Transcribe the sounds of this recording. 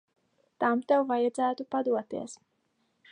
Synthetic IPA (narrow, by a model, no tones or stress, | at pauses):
t̪amt̪ɛwvajad̪zæːt̪upad̪uɔt̪ḭɛs